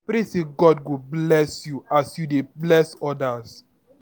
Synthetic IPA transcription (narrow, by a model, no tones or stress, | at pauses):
pɾeseɡɔd̚ɡoblɛsjuasjudeblɛsɔdas